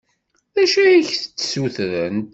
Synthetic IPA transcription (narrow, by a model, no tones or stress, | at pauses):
æʃæiçθət͡sːsuθɾənt̪